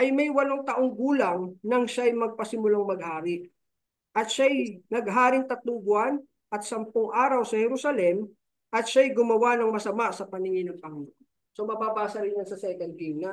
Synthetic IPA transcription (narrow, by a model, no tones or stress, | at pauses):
ʔɐjmɐjwɐloŋt̪ɐʔo̞ŋɡuːlɐŋnɐŋʃajmɐɡ̚pɐsɪmʊlaŋmɐɡ̚haːɾɪʔ | ʔɐt̪ʃajnɐɡɦaːɾɪŋt̪ɐt̪lʊŋɡʊan | ʔɐt̪̚sɐmpʊŋʔaːɾɐwsɐhɛɾusɐlɛm | ʔɐt̪̚ʃajɡʊmɐwanɐŋmɐsɐmasɐpɐnɪŋɪnɐŋpɐŋno | somɐbaːbaːsɐɾɪnjansɐsɛkɛn̚t̪imnɐ